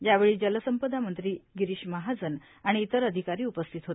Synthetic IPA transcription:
jaʋeɭiːd͡ʑələsəmpəd̪ʱamənt̪ɾiːɡiɾiːɕməɦad͡zən | aɽ̃iːt̪əɾəd̪ʱikaɾiːupəst̪ʰit̪ɦot̪e

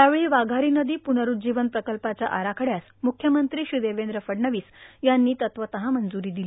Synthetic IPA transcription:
jaʋeɭiːʋaɡʱaɾiːnəd̪iːpunəɾuːd͡ʑiʋənpɾəkəlpat͡ɕjaʔaɾakʰəɽjas | mukʰjəmənt̪ɾiːɕɾid̪eʋend̪ɾəfəɽɳəʋiːsjanːiːt̪ət̪ʋət̪əɦamənd͡zuɾiːd̪ili

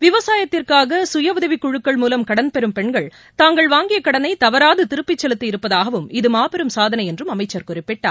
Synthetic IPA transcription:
ʋɪʋɐsaːjɐt̪ːɪrkaːɣɐsʊjɐʋʊðɐʋɪkːʊɻɯkːɐɭmuːlɐmkɐɽɐnpɛɾɯmpɛɳɡɐɭ | t̪aːŋɡɐɭʋaːŋɡɪjɐkɐɽɐnɐɪt̪ɐʋɐɾaːðɯt̪ɪɾɯpːɪt͡ʃːɛlɯt̪ːɯɪɾɯpːɐðaːɣɐʋɯmɪðɯmaːpɐɾɯmsaːðɐnɐɪjɛndrɯmɐmɐɪt͡ʃːɐɾkʊrɪpːɪʈːa̰ː

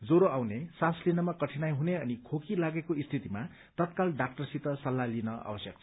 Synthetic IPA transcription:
d͡zoɾoawnesaslinʌmakʌʈʰinajɦuneʌnikʰokilaɡekoist̪ʰit̪ima | t̪ʌt̪̚kalɖak̚ʈʌrsit̪ʌsʌlːalinʌa̰bʌsjʌk̚t͡sʰʌ̥

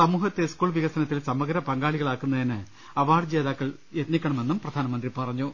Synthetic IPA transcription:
sɐmuːhɐt̪ːeskuːɭʋiɣɐsɐnɐt̪ːilsɐmɐɡɐɾɐpɐŋɡaːɭiɣɐɭaːkːunːɐðinɨ | ɐʋaːɽd͡ʑe̞ːðaːkːɐɭ | jet̪nikʲːɐɳɐme̞nːumprɐd̪ʱaːnɐmɐnd̪ripɐrɐɲːu

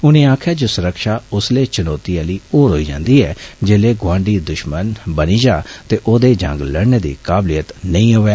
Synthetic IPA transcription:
ʊnẽːaːkʰaːd͡ʒoːsʊɾəkʃaːʊsleːt͡ʃənɔːt̪iːaːliːoːɾɦo̰ːiːd͡ʒã̰ːnd̪iːɛːd͡ʒeːleːɡwãːɳɖiːd̪ʊʃmənbəniːd͡ʒaːt̪eːʔoːd̪eːd͡ʒə̰̃ŋɡləɽneːd̪ḭːkaːblijət̪nəĩːɦoːʋeː

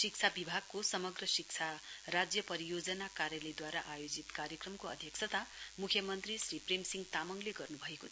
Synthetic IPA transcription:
sik̚t͡sʰabibʱaɡ̚kosʌmʌɡrʌsikt͡sʰarad͡zjʌpʌɾijod͡zʌnakaɾjʌlʌjd̪waɾaʔajod͡zit̪kaɾjʌkrʌmkoʌ̰d̪ʱjʌksʰʌt̪amukʰjʌmʌnt̪risripremsiŋɡt̪amʌŋleɡʌrnubʱʌeko

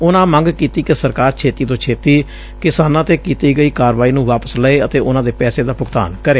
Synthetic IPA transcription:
ʊnãːmə̃ŋɡkiːt̪iːkɪsəɾkaːɾt͡ʃʰeːt̪iːt̪õːt͡ʃʰeːt̪iː | kɪsaːnãːt̪eːkiːt̪iːɡəiːkaːɾʋaːiːnũːʋaːpəsləeːət̪eːʊnãːd̪eːpɛːseːd̪aːpʊɡt̪a̰ːnkəɾeː

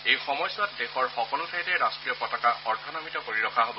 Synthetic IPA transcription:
ejxɔmɔjsat̚dexɔɹxɔkɔlʊtʰajtɛɹastɹijɔpɔtakaʔɔɹtʰanɔmitɔpoɹiɹɔkʰaɦobɔ

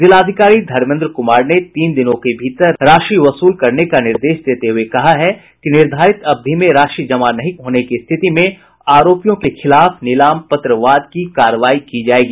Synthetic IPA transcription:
zɪlaːd̪ʱɪkaːɾid̪ʱɐɾmɪ̃nd̪ɾəkʊmaːɾnet̪iːnd̪ɪnõkebʱiːt̪əɾɾaːʃɾiʋɐsuːlkɐɾnekanɪɾd̪eːʃd̪eːt̪eɦʊekɐɦaɦɛ | kinɪɾd̪ʱaːɾɪt̪ɐb̚d̪ʱimẽɾaːʃid͡ʒɐmanɐɦĩɦoːnekist̪ʰɪt̪imẽ | aːɾoːpijõkexɪlaːfnɪlaːmpɐt̪ɾəʋaːd̪̚kikaːɾəʋaːikid͡ʒaːeːɡiː

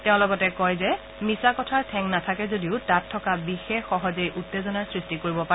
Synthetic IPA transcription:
tɛʊ̃lɔɡɔtɛkɔjzɛ | misakɔtʰaɹtʰɛŋnatʰakɛzodiʊtatʰːɔkabixexːɔɦɔzejʔutːezɔnaɹsɹistikoɹibɔpaɛ

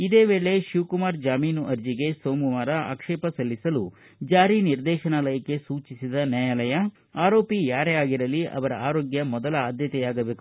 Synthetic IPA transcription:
id̪e̞ːʋe̞ːɭe̞ʃuʋkumaːɾd͡ʒaːmiːnuʔɐɾd͡ʒiɡe̞soːmuʋaːɾɐa̰ːkʂeːpɐsɐlːisɐlu | d͡ʒaːɾiniɾd̪ɛːʃɐnalɐjɐkːe̞suːt͡ʃisid̪ɐnaːjɐlɐjɐ | aːɾo̞ːpijaːɾeaːɡiɾɐliɐ̰ʋɐɾɐ̰aːɾoːɡjɐmɔd̪ɐlɐaːd̪ʱjɐt̪ɛjaːɡɐbe̞ːku

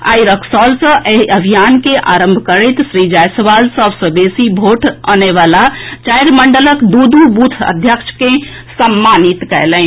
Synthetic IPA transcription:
a̰jɾəkʰsɔlsə̃ʔeɦəbʱijankeʔa̰ɾəmbʱkəɾɛjt̪sɾid͡ʒajsəʋalsəbsə̃besibʱoʈʰa̰neʋalat͡ʃajɾməɳɖələkd̪ud̪ubut̪ʰə̰d̪ʱjəkt͡ʃʰkẽ | səmːanit̪kɛlɛn

